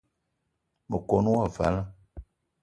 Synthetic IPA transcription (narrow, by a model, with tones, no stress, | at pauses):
mə˨ko˨nũ˦wa˦˨va̰˨˦la˦